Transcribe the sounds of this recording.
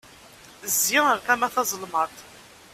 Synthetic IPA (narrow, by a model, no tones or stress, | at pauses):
ziəɾkæmæθɑzˤəlmɑt̪ˤ